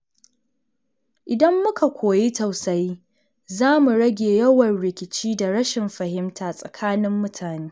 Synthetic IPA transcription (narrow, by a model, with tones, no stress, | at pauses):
ʔɪ˨dɐ˦mːʊ˦kʰa˨kʷʰoː˨ji˦ta˨wsɐ˦ji˦ | zaː˦mu˨ɽɐ˦ɡʲeː˨jɐ˦wɐ˨nɽɪ˨kʲɪ˨t͡ʃiː˦da˨ɾɐ˦ʃɪ˨mɸɐ˨hɪ˦mtʰaː˨sʼɐ̰˨kʰaː˦nɪ˦mːʊ˦tʰaː˨neː˦